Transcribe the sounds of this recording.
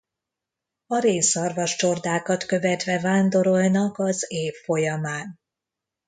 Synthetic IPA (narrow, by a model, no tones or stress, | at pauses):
ɒɾeːsɒrvɒʃt͡ʃo̞rd̪aːkɒt̪kø̞vɛt̪ʋɛvaːnd̪o̞ɾo̞lnɒkɒzeːfːo̞jɒmaːn